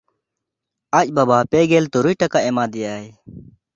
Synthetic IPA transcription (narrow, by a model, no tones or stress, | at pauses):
ac̚ˀbabapɛɡɛlt̪uɾujʈakaʔɛmad̪ɛjaj